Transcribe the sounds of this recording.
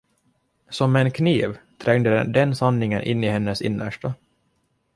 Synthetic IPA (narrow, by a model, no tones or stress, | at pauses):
sɔmɛnkʰniːvt̪ʰɾɛŋd̪əd̪ɛnsanːɪŋənʔɪ̰nːɪhɛnːəsɪ̰nːə̰ʂʈə